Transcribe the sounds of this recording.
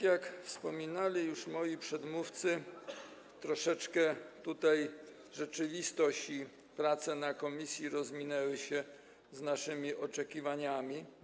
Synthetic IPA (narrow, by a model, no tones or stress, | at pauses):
jakfspɔmʲinalʲijuʂmɔjipʂɛd̪muft̪sɘ | t̪ɾɔʂɛt͡ʂkɛt̪ut̪aj | ʐɛt͡ʂɘvʲist̪ɔɕi | pɾat̪sɛnakɔmʲisʲjiɾɔzmʲinɛwɘɕɛ | znaʂɘmʲiʔɔt͡ʂɛkʲivaɲamʲi